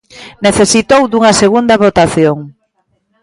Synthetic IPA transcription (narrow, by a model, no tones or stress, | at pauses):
neθesit̪owd̪uŋɐseɣund̪ɐβot̪aθjoŋ